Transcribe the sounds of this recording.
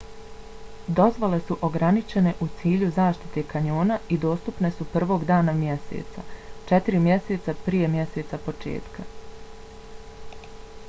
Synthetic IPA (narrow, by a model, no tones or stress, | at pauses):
d̪o̞zʋole̞suʔo̞ɡɾanit͡ʃe̞ne̞ʔut̪siːʎuzaːʃt̪i̥t̪e̞kaɲoːnaid̪oːst̪upne̞supr̩ʋo̞ːɡd̪aːnamjese̞̰t̪sa̰t͡ʃe̞t̪iɾimjese̞ːt̪sapɾijemje̞se̞ːt̪sapo̞t͡ʃḛːt̪ka